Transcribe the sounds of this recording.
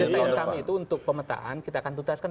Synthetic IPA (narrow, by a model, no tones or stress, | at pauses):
əsajaŋkamiːt̪uunt̪ʊk̚pəmət̪a̰ɦa̰nkit̪aːkant̪uɡaskan